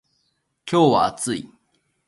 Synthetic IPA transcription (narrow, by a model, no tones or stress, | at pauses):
kʲo̞ːβa̰t͡sɨi